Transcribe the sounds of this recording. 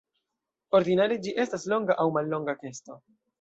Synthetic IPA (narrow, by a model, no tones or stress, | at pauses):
o̞ɾd̪inaɾed͡ʒiʔe̞staslo̞ŋɡaʔawmalːo̞ŋɡake̞sto̞